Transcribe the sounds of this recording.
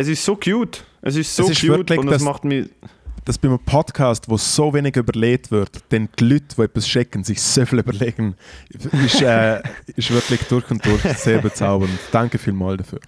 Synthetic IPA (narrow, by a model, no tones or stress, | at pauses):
ɛs̬ɪʃtsoːkʰjuːt | ʔɛs̬ɪssosɪʃvɪtlɪndsmɑχtmid̥asb̥ɪməpʰɔdkʰaːstvoːsoːveːnɪɡyːbəʁleːtv̥ɪtd̥ɛntlytvoːɛtɐsʃɛkənzɪçsoːfilybəleːɡ̥ən | ɪʃɛːɪʃvɪɾklɪçd̥ʊɾçʊnt̚d̥ʊɾçseːɾbət͡saʊbəntd̥aŋkəfiːlmaːldɐfy̰ː